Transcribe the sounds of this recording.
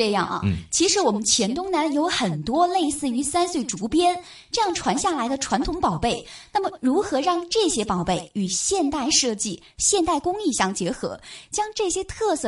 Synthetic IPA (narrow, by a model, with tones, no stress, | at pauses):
ɤ˥˧jɑ̰˥˩ŋʔɐ̰˩t͡ɕʰi˧˥ʂɻ̩˧˥wɔ˨˩mə˦nt͡ɕʰjɛ˧˥nt̪ʊ˥ŋna˧˥njo˧˥ʊxə˨˩nt̪wɔ˥le˥˧ɪsɹ̩˥˩y˧˥sa˥nswe˥˩ɪʈ͡ʂu˧˥pjɛ˥n | ʈ͡ʂɤ˥˧jɑ˥˩ŋʈ͡ʂʰwa˧˥nɕja˥˩la˧˥ɪd̪ə˧ʈ͡ʂʰwa˧˥nt̪ʰʊ˧˥ŋpɑ˨˩ʊpe˥˩ɪna˥˩mə˨˩ɻu˧˥xɤ˧˥ɻɑ˥˧ŋʈ͡ʂɤ˥˩ɕjɛ˥pɑ˨˩ʊpe˥˩ɪy˨˩ɕjɛ˥˧nt̪a˥˧ɪʂɤ˥˧t͡ɕi˥˩ | ɕjɛ˥˧nt̪a˥˩ɪkʊ˥ŋi˥˧ɕjɑ˥˩ŋt͡ɕjɛ˧˥xɤ̰˧˥t͡ɕjɑ˥ŋʈ͡ʂɤ˥˩ɕjɛ˥t̪ʰɤ˥˧sɤ˥˩